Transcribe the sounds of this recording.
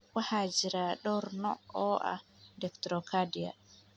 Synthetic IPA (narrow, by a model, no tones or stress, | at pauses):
wahad͡ʒiɾaɗɔɾnɔɔʔa̰dɛktɾɔkadija̰